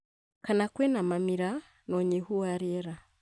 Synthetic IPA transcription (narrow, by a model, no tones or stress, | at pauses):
kanakwenamamiɾa | noɲihuwaɾeɾa